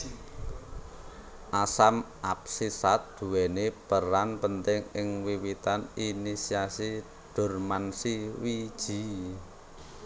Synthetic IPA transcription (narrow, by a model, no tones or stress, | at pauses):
ʔasamʔap̚sisat̪̚d̪̥ṳwɛnepəɾanpənt̪ɪŋɪŋwiwit̪aninisiasi | ɖ̥ʊ̤rmansiwid̥ʒ̥i̤